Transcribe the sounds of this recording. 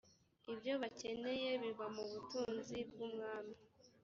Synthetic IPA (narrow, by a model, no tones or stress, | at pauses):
ibjo̞βace̞ne̞je̞βiβamuβutuːnzibɡumŋaːmi